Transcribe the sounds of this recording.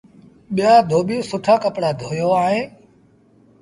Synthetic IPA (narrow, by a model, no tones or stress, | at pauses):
ɓɪjaːd̪ʱoːɓiːsʊʈʰaːkəpɽaːd̪ʱoːjoːaːɳẽː